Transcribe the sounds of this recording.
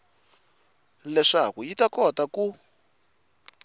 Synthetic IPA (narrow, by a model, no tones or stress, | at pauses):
lɛʂakujitakɔtaku